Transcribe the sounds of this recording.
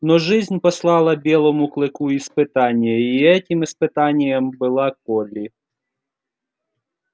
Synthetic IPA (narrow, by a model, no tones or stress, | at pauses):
nɔʐɪzʲnʲpɐslˠɑlˠɐbʲelˠɐmʊklˠɨkuispɨt̪anʲɪjɐiɛtʲɪmispɨt̪anʲɪjəmbɨlˠak̚ɔlʲi